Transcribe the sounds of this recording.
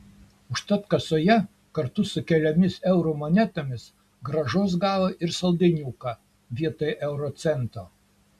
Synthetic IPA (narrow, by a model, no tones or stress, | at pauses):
ʊʃt̪ɐt̪kɐsoːjɛ | kɐɾt̪ʊsʊkʲɛlʲɛmʲɪsɛʊɾomonʲɛt̪omʲɪs | ɡɾɐʒoːs̬ɡɑːʋoʔɪɾsɐlˠd̪ʲɛɪnʲuːkɑ | ʋʲiɛt̪oːjɛʔɛʊɾoːt̪sʲɛnt̪oː